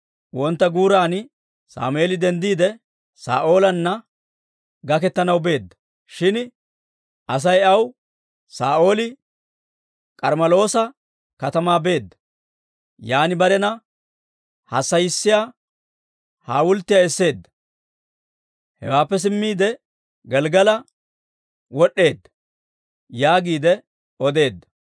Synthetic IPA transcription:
wɔnt̪ːɐɡuːɾaːn | sa̰ːmʊeːlɪd̪ɛnd̪iːd̪ɛ | sa̰ːʔo̞ːlɐnːɐ | ɡɐkɛt̪ːɐnɐwbe̞ːd̪ːɐ̥ | ʃɪn | ʔɐs̬ɐjɐw | saːʔo̞ːlɪ | kʼɐɾmɐlo̞ːsɐ | kɐt̪ɐmaːbe̞ːd̪ːɐ̥ | jaːnɪbɐɾɛnɐ | hɐsːɐjɪsːɪjaː | haːwʊlt̪ːɪjaɛsːe̞ːd̪ːɐ̥ | hɛ̰waːpːɛs̬ɪmːiːd̪ɛ | ɡɛlɡɐlɐ | wɔɗːe̞ːd̪ːɐ̥ | jaːɡiːd̪ɛ | ɔd̪e̞ːd̪ːɐ̥

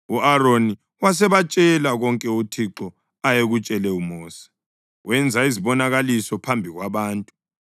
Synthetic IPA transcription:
uaroni | was̬ɛβat͡ʃʼɛlaɣɔŋkʼɛutʰiǁɔ | ajeɣut͡ʃʼɛlɛumɔːsḁ | wɛnd͡zʱaiziβɔnaɣalisɔpʰambʱiɣwaβaːntʼu̥

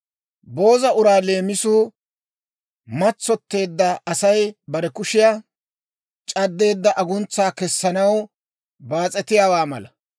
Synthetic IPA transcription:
bo̞ːzɐʊɾaːle̞ːmɪsuː | mɐt͡sːɔt̪ːe̞ːd̪ːɐɐsɐjbɐɾɛkʊʃɪja | t͡ʃʼɐd̪ːe̞ːd̪ːɐʔɐɡʊnt͡sːaːkɛsːɐnɐw | baːt͡sʼɛt̪ɪjaːwaːmɐ̰lɐ

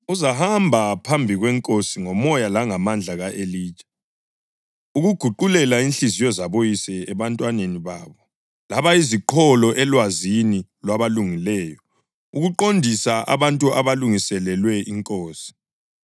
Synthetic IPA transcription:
uzahambʱapʰambʱiɣwɛŋkʼosiŋɔmɔjalaŋamand͡ɮʱaɣaʔeliːt͡ʃʼɛ̥ | uɣuɡ̥ʱuǃulɛlainɬizijɔzaβojisɛɛβantʼwaneniβa̰ːβɔ | laβaiziǃʰɔlɔʔɛlwazinilwaβaluŋilɛːjɔ | uɣuǃondʱisaʔa̰βantʼuʔaβaluŋisɛlɛlwɛiŋkʼoːsi̥

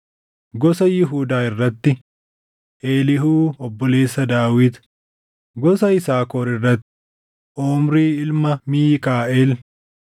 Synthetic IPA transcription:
ɡɔsɐjɪɦuːd̪aːɪrːɐt̪ːɪ | ʔeːlɪhuːɔbːɔle̞ːsːɐd̪aːwɪd̪ | ɡɔsɐɪsaːkoːɾɪrːɐt̪ːɪ | ʔoːmɾiːɪlmɐmiːkaːʔeːl

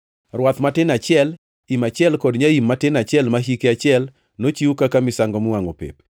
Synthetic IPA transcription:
rwat̪matɪnat͡ʃɪɛl | imat͡ʃɪɛlkɔdɲaimːatɪnat͡ʃjɛlmaɦikeat͡ʃɪɛl | not͡ʃiukakamɪsaŋɡɔmwaŋopḛp̚

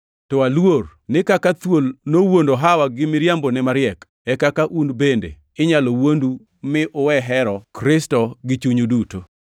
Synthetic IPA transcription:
tɔalwornɪkakat̪wolnowondoɦawaɡɪmɪɾjambonɛmaɾɪjɛk | ɛkakaʔunbendḛ | ɪɲalowondu | mɪʔʊwɛɦɛɾɔkɾɪstɔɡɪt͡ʃuɲuduto

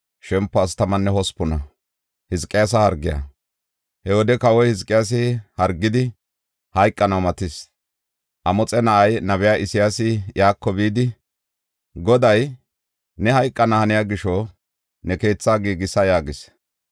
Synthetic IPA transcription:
ʃɛmpːɔɐst̪ɐmɐnːɛhɔspːʊnɐ | hɪzkʼːɪjas̬ɐhɐɾɡːɪjɐ̰ | hɛwɔd̪ɛkɐwɔjhɪzkʼːɪjaːs̬ɪhɐɾɡːɪd̪ɪ | hɐjkʼːɐnɐwmɐt̪ɪs | ʔɐmɔt͡sʼɛnɐʔɐjnɐβɛjaːʔɪsɪjaːsɪjaːkːɔbiːd̪ɪ | ɡɔd̪ɐj | nɛhɐjkʼːɐnɐhɐnɪjaɡɪʃɔ | nɛke̞ːt͡sːaːɡiːɡɪsɐjaːɡɪs

